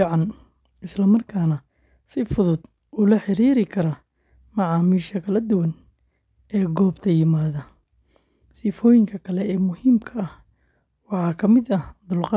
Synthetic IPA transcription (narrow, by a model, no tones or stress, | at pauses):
ʕɑn | ɪslɐmɐrkʰaːnɐ | sɪfʊðʊd̪̥ | ʊːlɐħɪɾiːɾɪkʰɐɾɐ | mɑʕɑːmiːʃɐkʰɐlɐd̪ʊwɐn | ɛːɡɔːbt̪ʰɐjɪmaːðɐ | sɪfɔːjɪŋkʰɐkʰɐlɛɛːmʊhiːmkʰɐɐh | wɑħɑːkʰɐmɪd̪ɐd̪ʊlqɑ